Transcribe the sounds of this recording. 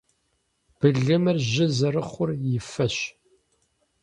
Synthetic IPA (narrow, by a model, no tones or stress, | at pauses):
b̥ɨɮɐmɨrʑɪzɐrɨχʷʊrjɪfɐɕ